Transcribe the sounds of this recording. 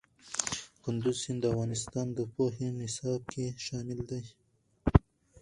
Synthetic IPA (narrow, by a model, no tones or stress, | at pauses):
kʊnd̪ʊzsɪnd̪əavɣɑnɪst̪ɑnd̪əpoɦenɪsɑb̚kʰeʃɑmɪld̪aj